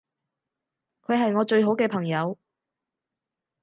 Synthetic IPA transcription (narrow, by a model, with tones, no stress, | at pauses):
kʰɵ˨˧ɥɦɐ˨jŋɔː˨˧t͡ʃɵ˧ɥɦo˨˥wkɛː˧pʰɐ˨˩ŋjɐ˨˧w